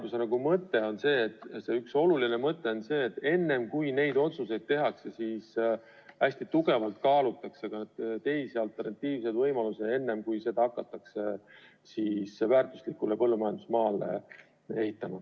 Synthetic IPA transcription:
t̪usenɑɡumɤt̪ːˑe̞o̞nse̞ːt̪ːse̞ykso̞luline̞mɤt̪ːˑe̞o̞nse̞ːt̪ːˑe̞nːe̞mkujne̞jd̪o̞t̪suse̞jd̪̥̚t̪e̞ɦɑkse̞siːs | æsʲt̪it̪uɡ̥e̞vɑlt̪̚kɑːlut̪ːˑɑkseɡ̥ɑnd̪̥t̪e̞jsiɑlt̪ːˑe̞rnɑt̪ːiːvse̞d̪vɤjmɑlusee̞nːe̞mkujse̞d̪̥ɑɑkːˑɑt̪ːˑɑkse̞ | siːsvæːrt̪ˑuslikːˑulepɤlːumɑjɑnd̪usmɑːlḛ | e̞hit̪ːˑɑmɑ

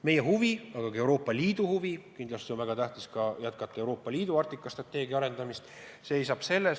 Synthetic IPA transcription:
me̞jeɦuviɑɡ̥ɑkɑe̞uwɾo̞ːpːˑɑliːd̪̥uhuvikind̪lɑst̪io̞nvæɡ̥ɑt̪æht̪iskɑjæt̪̚kɑt̪ːˑɑewɾo̞ːpːˑɑliːd̪̥uɑrt̪ːˑikːˑɑst̪rɑt̪ːˑe̞ːɡjɑɑɾe̞nd̪̥ɑmist̪ | seːejsɑːb̥se̞lːes

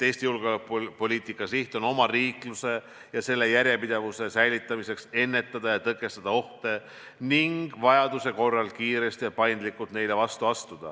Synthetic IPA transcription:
eːsʲt̪ijulɡ̥eolepopo̞lʲiːt̪ˑikˑːɑsiht̪ˑo̞no̞mɑriːkluse̞ | jɑse̞lːe̞jæɾʲje̞pid̪̥evuse̞sæjlit̪ːˑɑmise̞kse̞nːe̞t̪ːˑɑd̪̥ɑjɑt̪ɤkˑːe̞st̪ɑd̪̥ɑo̞ht̪e̞ | niŋɡ̥vɑjɑd̪use̞ko̞rːɑlkiːɾe̞st̪ijɑpɑjnd̪likːˑult̪ne̞jlevɑst̪uɑst̪ud̪̥ɑ̰

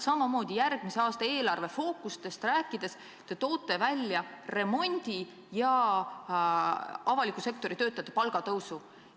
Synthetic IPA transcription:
sɑmɑmo̞ːd̪̥ʲijærɡ̥miseɑːst̪ɑe̞ːlɑrve̞fo̞ːkˑust̪e̞st̪ræːkːˑid̪̥e̞s | t̪e̞t̪o̞ːt̪ːˑe̞vælʲːjɑre̞mo̞nʲd̪̥ʲi | jɑ | ɑvɑlikːˑuse̞k̚t̪o̞ɾit̪ø̞ːt̪ːˑɑjɑt̪ːˑepɑlɡ̥ɑt̪ɤwsu

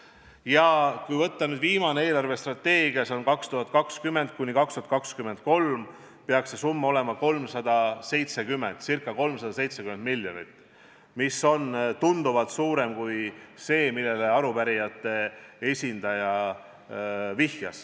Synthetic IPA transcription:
jɑkujvɤt̪ːɑnyːd̪viːmɑnee̞ːlɑrve̞st̪rɑt̪ːe̞ːɡiɑseonkɑkst̪uɦɑt̪̚kɑkskymːe̞nd̪̚kunʲːikɑkst̪uhɦɑt̪kɑkskyme̞nd̪̥̚ko̞lm | peɑkse̞sumːɑo̞le̞mɑko̞lmsɑd̪̥ɑse̞jt̪se̞kymːent̪sirkːˑɑko̞lmsɑd̪̥ɑse̞jt̪se̞kymen̚miljonḭt̪ːˑ | miso̞nt̪und̪uvɑt̪suːɾemkujse̞ːmilːe̞leɑɾupæɾijɑt̪ːˑe̞e̞sʲind̪̥ɑjɑ | vihjɑ̰s

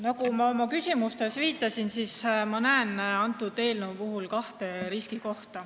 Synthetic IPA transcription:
nɑkumɑomɑkysʲimust̪e̞sviːt̪ˑːɑsinsismɑnæenɑnt̪ːˑud̪e̞ːlnupuɦulkɑht̪e̞ɾiskiko̞ht̪ɑ

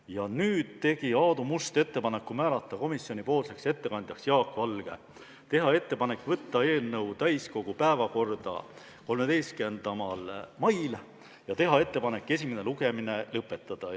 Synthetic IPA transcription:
jɑnyːd̪̥t̪e̞ɡ̥iɑːd̪umust̪e̞t̪ːe̞pɑne̞kːumæːlɑt̪ˑːɑko̞misjo̞nʲipo̞ːlse̞kse̞t̪ːe̞kɑnʲd̪jɑksjɑːkːˑvɑlɡ̥ḛ | t̪e̞ɦɑe̞t̪ːe̞pɑne̞kːˑvɤt̪ːɑe̞ːlnɤwt̪æjsko̞ɡ̥upæevɑko̞rd̪̥ɑ̰ | ko̞lmed̪e̞jskend̪̥ɑmɑlmɑjl | jɑt̪e̞ɦɑe̞t̪ːe̞pɑne̞kːˑe̞sʲimene̞luɡ̥e̞mine̞lɤpːˑe̞t̪ːˑɑd̪̥ɑ

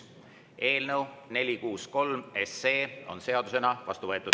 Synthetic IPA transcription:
e̞ːlnewne̞lʲikuːsko̞lme̞se̞ːo̞̰nse̞ɑd̪use̞nɑvɑ̰st̪uvɤe̞t̪ːˑud̪̥

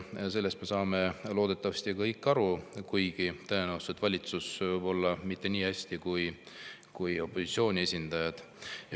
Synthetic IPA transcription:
se̞lːe̞st̪me̞sɑːme̞lo̞ːd̪̥e̞t̪ːˑɑvɑst̪ikɤjkːˑɑɾukujɡ̥it̪ɤenæwst̪et̪vɑlʲit̪susvɤjbo̞lːɑmit̪ːe̞niːhæsʲt̪ikuj | kujo̞pːo̞sit̪sio̞ːnʲie̞sʲind̪̥ɑjɑd̪̥

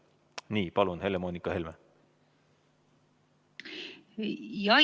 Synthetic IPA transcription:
niːpɑlunhe̞lemoːnikːɑhelme | jɑ

